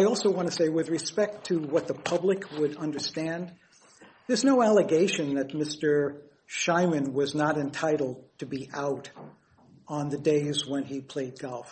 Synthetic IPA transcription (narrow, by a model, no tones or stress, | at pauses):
ɪɔlˠsoʊwɑ̃ñtɨseɪwɨðɹɨspɛk̚tʰɨwʌt̪̚ðəpʰʌblɨkʰwəɾʌ̃ndə˞stæ̃n | ðə˞znoʊælˠəɡeɪʃɨ̃nðɨt̚mɪstə˞ | ʃãɪ̃mɨ̃nwʌznəɾɨ̃ntʰaɪɾl̩ˠd̚tʰɨbiʔaʊɾ | n̩ðɨdeɪzwə̃nipʰl̥eɪd̚ɡɔlˠf